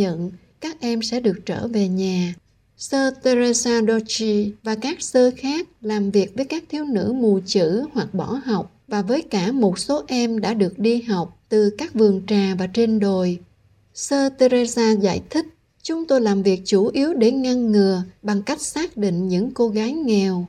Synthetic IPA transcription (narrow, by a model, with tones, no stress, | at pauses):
ɲə̰˧˨n | kaː˦˥k̚ʔɛ˧msɛ̰˧˥ɗɨ˨˩ək̚t͡ɕə̰ː˧˩ve˨˩ɲaː˨˩ | səː˧t̪e˧ze˧zaː˧ɗɔ˧t͡ɕi˧vaː˨˩kaː˦˥k̚səː˧xaː˦˥k̚laː˨˩mvi˨˩ək̚vəː˨˦jkaː˦˥k̚t̪ʰi˨˧əwnɨ̰˧˥mu˨˩t͡ɕɨ̰˧˥hwa˨˩k̚ɓɔ˧˩ɦa˨˩wk͡p̚vaː˨˩vəː˨˦jkaː˧˩mo˨˩t̚so˨˦ʔɛ˧mɗa̰ː˧˥ɗɨ˨˩ək̚ɗi˧ɦa˨˩wk͡p̚t̪ɨ˨˩kaː˦˥k̚vɨ˨˩əŋt͡ɕaː˨˩vaː˨˩t͡ɕe˧nɗo˨˩j | səː˧t̪e˧ɾe˧zaː˧za̰ː˧˨jt̪ʰï˦˥k̚ | t͡ɕʊ˨˦ŋ͡mt̪o˧jlaː˨˩mvi˨˩ək̚t͡ɕu˧˩ʔi˨˦əwɗe˧˩ŋə˧nŋɨ˨˩əɓa˨˩ŋka˦˥jk̚saː˦˥k̚ɗḭ˧˨ŋ̟ɲɨ̰˧˥ŋko˧ɣaː˨˦jŋɛ˨˩w